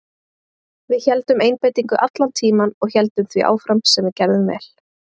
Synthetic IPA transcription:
vɪðçɛlt̪ʏmejnpeːjt̪iŋkʏʔat̪lant̪ʰiːmanɔɣçɛlt̪ʏmθviʔa̰ːwfɾamsɛmɛɾcɛɾðʏvɛ̰l

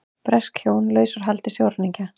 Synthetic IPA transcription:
pɾɛskhjoːwnlœːɥsʏɾ̥ɦalt̪ɪ̥sjowɾaniɲca

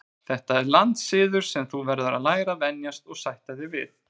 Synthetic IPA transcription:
θɛht̪aɛɾlant̪sɪːðʏɾ̥sɛmθuvɛɾðʏɾa̰ðlaːjɾavɛnjast̪ɔɣsajht̪aðɪvɪ̰ð

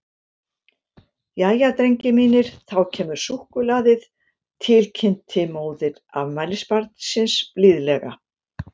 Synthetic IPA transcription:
jaːjat̪ɾeɲcɪmiːnɪɾ̥θawcʰɛːmʏɾ̥suhkʏlaːðɪð | t̪ʰɪlcʰɪn̥t̪ʰɪmoːwðɪɾ | a̰vmajlɪspaɾt̪nsɪnsplɪðlɛɣa

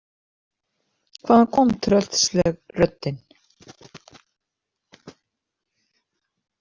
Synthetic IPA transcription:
kʰvaːðakʰɔmt̪ʰɾœl̥t̪slɛɣrœt̪ːɪn

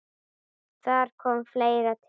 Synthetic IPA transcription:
d̪̥æːɾkʰɔmflejɾat̪ʰ

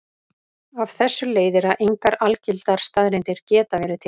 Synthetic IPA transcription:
avθɛsːʏleːjðɪɾaðʔejŋkaɾalcɪlt̪aɾ̥st̪aðɾɪnt̪ɪɾ̥cɛːt̪avɛːɾɪt̪ʰɪ

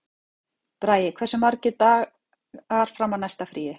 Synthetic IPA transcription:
pɾaːjɪkʰvɛrsɪmaɾcɪt̪aːɣ | aɾ̥fɾamːawnajst̪afɾiːɪ

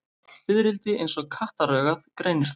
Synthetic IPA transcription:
fɪðɾɪlt̪ɪʔḛjnsɔɣkʰaht̪aɾœːɣaðkɾeːjnɪɾ̥t̪

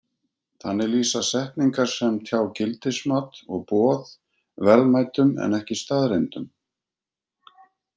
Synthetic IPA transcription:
θanːɛɾliːsasɛhpniŋkaɾ̥sɛmt̪ʰjaːwcɪlt̪ɪsmaːt̪ɔɣpɔːð | vɛlmajt̪ʏmɛ̰nɛhcɪst̪aːðɾent̪ʏm

